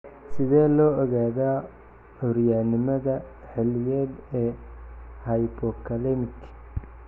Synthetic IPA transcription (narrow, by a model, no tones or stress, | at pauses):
sɪðɛːlɔːɔɣaːðaː | ʊɾjaːnɪmɐðɐ | ħɪlɪjɛːd̪ɛː | hɐjbɔkʰɐlɛmɪt̪ʰɪ̥